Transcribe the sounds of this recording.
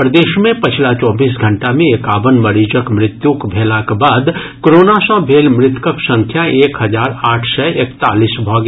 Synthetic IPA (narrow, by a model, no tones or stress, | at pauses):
pɾəd̪eːʃmẽpɪt͡ʃʰlat͡ʃɔːbiːsɡʱə̃ɳʈamẽekaːʋənmɐɾiːd͡ʒəkmɾɪt̪jukbʱeːlãkbaːd̪ | kɾoːnasãbʱeːlmɾɪt̪kəksə̃ŋkʰjaeːkɦɐd͡ʒaːɾaːʈʰsɛekt̪aːliːsbʱɔɡ